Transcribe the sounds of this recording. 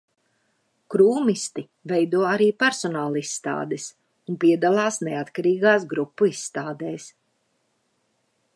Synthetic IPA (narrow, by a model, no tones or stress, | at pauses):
kɾuːmist̪i | vɛjd̪uɔaɾiːpɛɾsɔnaːlˠisːt̪a̰ːd̪ɛs | unpiɛd̪alˠaːsnɛat̪kaɾiːɡaːsɡɾupːuisːt̪aːd̪ɛːs